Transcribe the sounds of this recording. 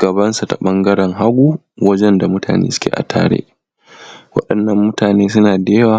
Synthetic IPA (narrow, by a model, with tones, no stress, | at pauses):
ɡɐ˨bɐ˦nsa˨ta˨ɓɐ˦ŋɡɐ˦ɽɛ˨ŋɦa˦ɡʷuː˦ | wɐ˦d͡ʒɛ˦nda˨mʊ˦tʰaː˨nḛː˦sʊ̥˦kʲḛː˦˨ʔa̰˨tʰa̰ː˦ɽḛː˦ʔ | wɐ̰˦ɗɐ˨nːɐ˨mːʊ˦taː˨neː˦s̬ʊ˦naː˨deː˦waː˦˨